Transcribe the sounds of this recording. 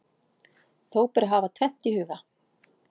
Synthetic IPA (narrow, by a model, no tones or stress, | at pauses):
θoːwpɛɾɦaːvat̪ʰvɛm̥t̪ihʏːɣa